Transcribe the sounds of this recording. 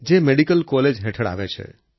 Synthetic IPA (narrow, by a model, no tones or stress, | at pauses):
d͡ʒemeɽikəlkɔled͡ʒɦɛʈʰəɽa̰ʋet͡ʃʰḛ